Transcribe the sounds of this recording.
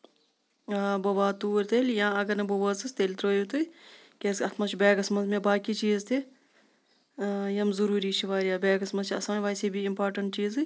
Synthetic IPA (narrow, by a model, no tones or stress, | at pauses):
bɐʋaːt̪uːɾt̪ʰelʲjãːɐɡɐɾnɐboʋɐsɨst̪elt̪ɾoːjut̪u | kʲesɐt̪ʰmɐt͡ʃʰibɛːɡɐsmɐzmẽbaːkit͡ʃiːzt̪ʰi | jɐmzuɾuːɾiːʃʰiʋaːɾijaːbɛːɡɐsmɐzt͡ʃʰiɐsaːnʋaːsibʱiimpaːɾʈɐɳʈt͡ʃiːzɨ